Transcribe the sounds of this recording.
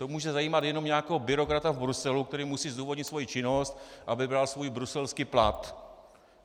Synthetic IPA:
t̪omuːʒɛzajiːmat̪jɛno̞mɲaːkɛɦobɪɾo̞kɾat̪avbɾusɛlukt̪ɛɾiːmusiːzd̪uːvodɲɪt̪svo̞jit͡ʃɪno̞st̪ʔabɪbɾalsvojbɾusɛlskiːpla̰t̪

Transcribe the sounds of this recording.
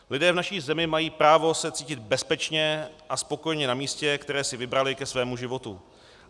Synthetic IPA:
lɪdɛːvnaʃiːzɛmɪmajiːpɾaːvo̞sɛt͡siːcɪd̪bɛspɛt͡ʃɲɛʔaspo̞ko̞jɲɛnamiːscɛkt̪ɛɾɛːsɪvɪbɾalɪkɛsvɛːmuʒɪvo̞t̪ṵ

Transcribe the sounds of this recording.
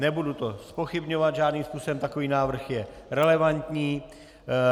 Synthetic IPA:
nɛbudut̪o̞spo̞xɪbɲo̞vad̪ʒaːdniːmspuːsɛmt̪ako̞viːnaːvr̩xjɛ | ɾɛlɛvant̪ɲiː

